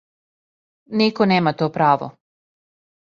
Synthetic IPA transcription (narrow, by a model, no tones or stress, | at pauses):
nikoneːmat̪oːpɾaːʋo̰